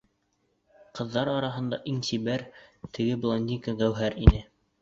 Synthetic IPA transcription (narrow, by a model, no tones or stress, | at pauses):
qɤ̆ðːɑɾɑɾɑɦɤ̆nd̪ɑʔiŋsiβæɾt̪ɘ̆ɡɘblˠonʲd̪ʲikaɡæwɦæɾinɘ